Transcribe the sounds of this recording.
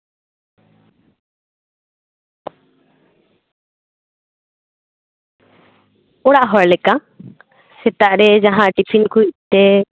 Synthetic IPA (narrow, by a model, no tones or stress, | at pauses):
ɔɽaʔɦɔɾlɛka | sɛt̪aʔɾɛd͡ʒaɦãʈipʰinkuic̚t̪ɛ